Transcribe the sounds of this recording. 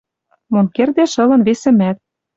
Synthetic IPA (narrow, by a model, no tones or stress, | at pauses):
monkerd̪eʃɤ̆lɤ̆nβesɘ̆mæt̪̚